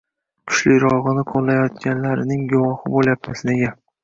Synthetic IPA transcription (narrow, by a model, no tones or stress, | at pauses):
kʲʰʊ̥ʃlɪɾɒʁɨnɪqʰolˠːajɒt̪̚kʲanlaɾɪnɪŋɡʊwɒhɪboljap̚t̪ʰasneɡʲa